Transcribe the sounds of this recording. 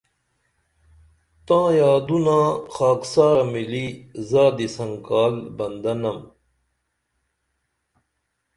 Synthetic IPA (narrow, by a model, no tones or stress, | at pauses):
t̪ãːjaːd̪unãːxaːksaːɾɐmilizaːd̪isɐŋkaːlbɐnd̪ɐnɐm